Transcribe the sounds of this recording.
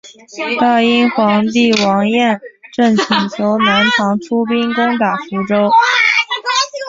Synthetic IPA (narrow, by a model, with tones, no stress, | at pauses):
t̪a˥˩i˥nxwɑ˧˥ŋt̪i˥˩wɑ˧˥ŋjɛ˥˧nʈ͡ʂɤ˥˩ŋt͡ɕʰi˨˩ŋt͡ɕʰjo˧˥ʊna˧˥nʈ͡ʂʰɑ˧˥ŋʈ͡ʂʰu˥pi˥nkʊ˥ŋt̪a˨˩fu˧˥ʈ͡ʂo˥ʊ